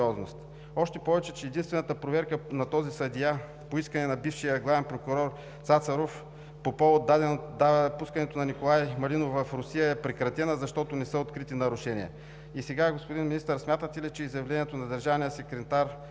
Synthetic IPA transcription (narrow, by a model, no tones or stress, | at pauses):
ɔznost̪ | ɔʃt̪ɛpɔvɛt͡ʃɛt͡ʃɛːd̪inst̪vɛnət̪əpɾovɛɾkənɐt̪ɔzisɐd̪ija | poiskənɛnɐbifʃijəɡlˠavɛnpɾokʊɾɔɾ | sat̪sɐɾof | popovˠod̪ːad̪ɛnotd̪apuskɐnɛt̪onɐnikolˠajmɐlinovɐfɾʊsijəɛpɾɛkɾɐt̪ɛnəzɐʃt̪ɔt̪onɛsəot̪kɾit̪inɐɾʊʃɛniɛ̰ | isɛɡaɡospʊd̪inminist̪əɾsmʲjat̪ət̪ɛlit͡ʃɛizjɐvlɛnʲiɛt̪onɐd̪ɐɾʒavnijəsɛkɾɛt̪aɾ